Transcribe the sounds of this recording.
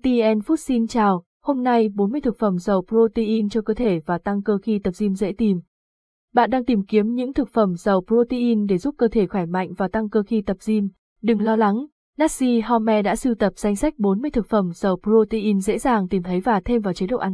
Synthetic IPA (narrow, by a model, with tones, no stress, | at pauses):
t̪i˧ʔɛ˧nfu˦˥t̚si˧nt͡ɕaː˨˩w | ho˧mna˧jɓo˨˦nmɨ˧əjt̪ʰɨ˨˩k̚fə˧˩mzə˨˩wpɾo˧t̪i˧ʔi˧nt͡ɕɔ˧kəː˧t̪ʰe˧˩vaː˨˩t̪a˧ŋkəː˧xi˧t̪ə˨˩p̚zi˧mzḛ˧˥t̪i˨˩m | ɓa̰ː˧˨nɗaː˧ŋt̪i˨˩mki˨˦əmɲɨ̰˧˥ŋt̪ʰɨ˨˩k̚fə˧˩mzə˨˩wpɾo˧t̪i˧ʔi˧nɗe˧˩zu˦˥p̚kəː˧t̪ʰe˧˩xaː˧˩jma̰˧˨jŋ̟vaː˨˩t̪a˧ŋkəː˧xi˧t̪ə˨˩p̚zi˧m | ɗɨ˨˩ŋlɔ˧la˨˦ŋ | na˦˥t̚si˧ɦɔ˧mɛ˧ɗa̰ː˧˥sɨ˧wt̪ə˨˩p̚z̥a˧jŋ̟sa˦˥k̟̚ɓo˨˦nmɨ˧əjt̪ʰɨ˨˩k̚fə˧˩mzə˨˩wpɾo˧t̪i˧ʔi˧nzḛ˧˥zaː˨˩ŋt̪i˨˩mt̪ʰə˨˦jvaː˨˩t̪ʰe˧mvaː˨˩wt͡ɕi˨˦ɗə̰˧˨ʔa˨˧˦